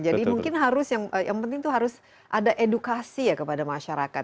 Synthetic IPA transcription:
d͡ʒadimuŋkɪnɦaɾʊsjaŋəjʔa̰ŋpənt̪ɪŋt̪uɦaɾʊs | ʔadaʔedukasijakəpadamaʃaɾakat̪

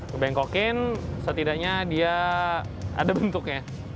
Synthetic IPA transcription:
kəbɛŋkokɪnsət̪idaʔɲadia | a̰dabənt̪ʊk̚ɲa

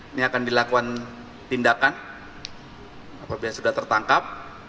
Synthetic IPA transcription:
niakandilakuan | t̪indakan | apabilasudaht̪ərt̪aŋkap̚

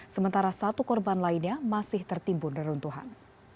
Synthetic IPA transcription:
səmənt̪aɾasat̪ukɔrbanlainɲamasɪht̪ərt̪imbʊndəɾunt̪uɦa̰n

